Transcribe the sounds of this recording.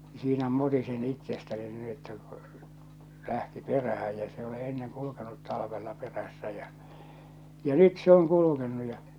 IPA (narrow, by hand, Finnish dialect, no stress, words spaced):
siːnæ mutisin itːestæni niː etːæ ku̥ læhti peræhæ jæ s e ole enːeŋ kulukenut tɑlɑ̆ʋelːɑ peræsːæ jæ jɑ nyt se oŋ kulukenːu jɑ